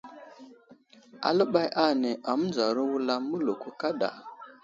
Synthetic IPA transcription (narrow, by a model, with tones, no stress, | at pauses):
a̰˨lə˦ɓa˦jʔa˦˨ne˨ʔa˨m˦nza˨ɾu˦wu˦la˦mə˦lo˨ku˦ka˦ɗa̰˨